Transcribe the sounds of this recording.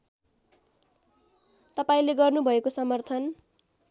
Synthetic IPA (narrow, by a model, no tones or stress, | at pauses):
t̪ʌpaĩleɡʌrnubʱʌekosʌmʌrt̪ʰʌn